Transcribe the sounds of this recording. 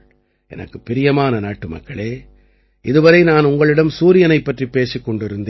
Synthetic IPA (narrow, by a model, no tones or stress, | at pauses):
ʔɛ̰nɐ̰kːɯpːɪɾɪjɐmaːnɐnaːʈːɯmɐ̰kːɐɭeː | ʔɪðɯʋɐɾɐɪnaːnʊŋɡɐɭɪɽɐmsuːɾɪjɐnɐɪpːɐʈripːeːsikːɔɳɖɪɾɯnd̪e